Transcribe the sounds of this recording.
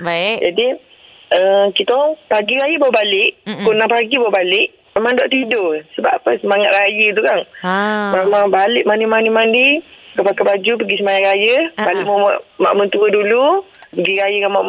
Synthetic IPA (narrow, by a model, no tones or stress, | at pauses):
bd͡ʒadi | əkit̪opaɡiɾajəbaʔbalɪʔkunapaɡibawabalɪʔ | memãŋdaʔt̪idosəbaapəsəmaŋat̪̚ɾajəit̪̬ukanmamaŋbalɪʔmanimanimandikəpakabad͡ʒup̬əɡisəmajaŋɾajəbalɪʔ̚məaʔma̰ʔmənt̪uədulupəɡiɾajəkamaʔ